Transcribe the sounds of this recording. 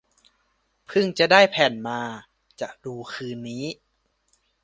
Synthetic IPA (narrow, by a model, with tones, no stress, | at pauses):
pʰɯ˥˩ŋt͡ɕa˨˩ʔdaː˥˩jpʰɛː˨˩nmaː˧ | t͡ɕa̰˨˩duː˧kʰɯː˧nːiː˦˥